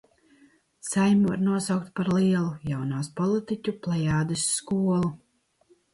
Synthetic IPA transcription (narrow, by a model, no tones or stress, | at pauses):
sajmuva̰ɾnuɔsawk̚t̪paɾliɛlˠujawnaːspɔlˠit̪icʲuplˠajaːd̪ɨsːkuɔlˠu